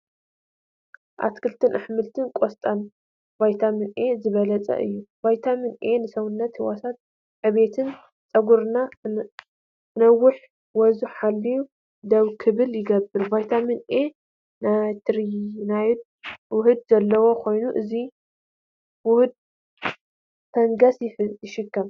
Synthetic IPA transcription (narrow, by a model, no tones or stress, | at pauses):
ʔa̰t̪kʰɨlt̪ʰɨnʔaħmɨlt̪ʰɨnkʼost̪ʼan | bajt̪ʰamɨnʔe̞zɨβɐlɐt͡sʼɐ̰ʔɨ̰jːubajt̪ʰamɨnʔe̞nɨsɐwʊnːɐt̪hɨwasat̪̚ | ʕɨβe̞t̪ʰɨn | t͡sʼɐɡuɾna | nɐwʊħ | wɔzuħalːiju | d̪ɐβkʰɨβɨljɪɡɐbɨɾbajt̪ʰamɨnʔe̞ | nat̪ʰɨɾnaj̪ | wʊhɨd̪̚zɐlːɐwo̞kʰo̞jnuʔɨzi | wʊhɨd̪̚ | t̪ʰɐŋɡɐsjjɪʃɪkʰːɐm